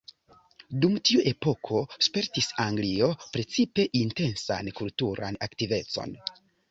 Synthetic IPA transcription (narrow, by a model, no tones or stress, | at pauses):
dumtiuʔe̞po̞kʰo̞spe̞ɾtisaŋɡlio̞pɾe̞t͡sipe̞ʔinte̞nsa̰nkultuɾa̰naktive̞t͡so̞̰n